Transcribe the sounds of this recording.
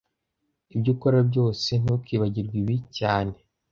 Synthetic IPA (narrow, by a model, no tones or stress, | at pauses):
ibɟukoɾabɟo̞ːse̞n̥ukiːβaɟiɾɡwiβicaːne̞